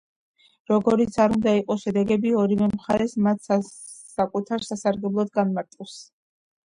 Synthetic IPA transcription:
ɾɔɡɔɾit̪sʰaɾund̪aiqʼɔʃɛd̪ɛɡɛbiɔɾivɛmχaɾɛsmat̪ʰs | sakʼut̪ʰaɾsasaɾɡɛblˠɔd̪ɡanmaɾt̪ʼɛs

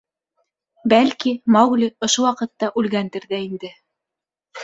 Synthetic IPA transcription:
bælkimɑwɡlʲiŏʃuwɑqɤ̆t̪ːɑʔʉlɡænt̪ɘ̆ɾðæind̪ɘ

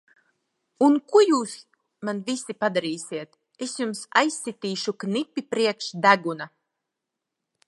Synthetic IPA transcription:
unkujuːs | manvisʲipad̪aɾiːsʲiɛt̪ | esjumsa̰jsʲːit̪iːʃuknipʲːipɾiɛkʃd̪æɡuna

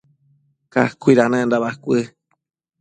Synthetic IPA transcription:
ka̰kʷiɾanãnd̪aβakʷɨ

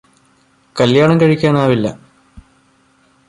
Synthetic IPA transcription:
kɐljaːɳɐŋkɐɻikʲːaːnaːʋilːɐ̰

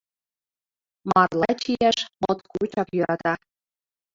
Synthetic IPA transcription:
mɑrlˠɑt͡ɕijæʃmŏt̪kut͡ɕɑkjɤɾɑt̪ɑ

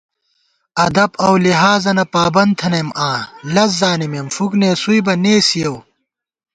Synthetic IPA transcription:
ɐd̪ɐbɐwliɦaːzɐnɐpaːbɐn̚t̪ʰɐnɐjmãːlɐs̬zaːnimemfukneːsuibɐneːsijɐw

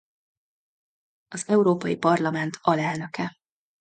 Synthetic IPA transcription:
ɒzɛuɾoːpɒjipɒrlɒmɛnt̪ʰɒlɛlnø̞kɛ

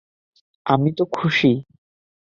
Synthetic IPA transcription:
amit̪okʰuʃi

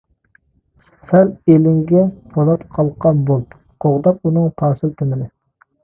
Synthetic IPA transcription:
sælelɪŋɡʲɛpʰolˠɑt̪qʰɑlˠqʰɑnbolˠt̪ | qʰoʁd̪ɑq̚unɨŋt̪ʰɑːsɨlt̪ʰɪmɪlɪ

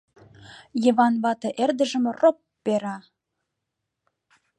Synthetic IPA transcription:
jəβɑnβɑt̪ɤ̆ʔerd̪ə̆ʒə̆mropːeɾɑ

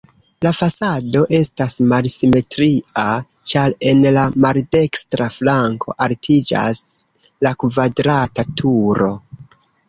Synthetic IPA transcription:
lafasado̞ʔe̞stasmalsime̞tɾia | t͡ʃaɾe̞nlamalde̞kstɾaflaŋkʰo̞̰ʔaltʰid͡ʒa̰s | lakvadɾatatʰuɾo̞

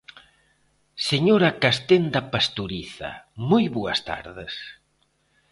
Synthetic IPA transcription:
seɲoɾɐkast̪end̪ɐpast̪uɾiθɐ̰mojβoɐst̪a̰ɾðɪs

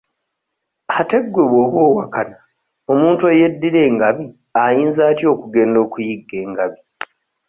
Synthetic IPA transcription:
ate̞ɡwe̞βwoːβwo̞ːwakana | o̞muːntweje̞dːiɾe̞ːŋɡaβi | ajiːnzaːtjo̞ːkuɡe̞ːndo̞ːkujiɡːe̞ːŋɡaβi

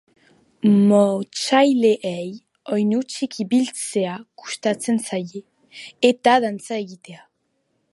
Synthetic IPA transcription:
mot͡ʃajle̞ʔej | o̞jnut͡ʃikiβilt͡se̞aku̥st̪at͡se̞nsajeː | t̪aðant͡sae̞ɣit̪e̞a

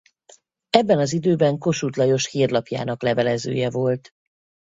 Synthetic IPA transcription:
ɛbːɛnɒzid̪øːbɛŋko̞ʃut̪lɒjo̞ʃhiːrlɒpja̰ːnɒklɛvɛlɛzø̰ːjɛvo̞lt̪

